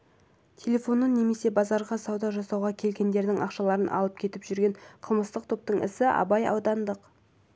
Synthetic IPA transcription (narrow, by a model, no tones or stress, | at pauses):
t̪ʲʰe̞lʲe̞fo̞nːənːe̞me̞se̞bɑzɑɾʁɑsɑwd̪ɑʒɑsɑwʁɑkʲʰe̞lɡʲe̞nd̪e̞ɾd̪ɪŋʔɑqʃɑlˠɑɾənʔɑ̰lˠəp̚kʲʰe̞t̪ɪpʒʏɾɡʲe̞ɴqʰəlˠməst̪əqt̪ʰo̞p̚t̪əɴʔɪ̰sɪʔɑ̰bɑjɑ̰wd̪ɑnd̪əq